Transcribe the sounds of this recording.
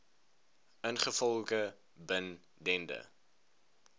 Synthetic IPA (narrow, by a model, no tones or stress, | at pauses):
ənχəfɔlˠkə | bən | dɛndə̰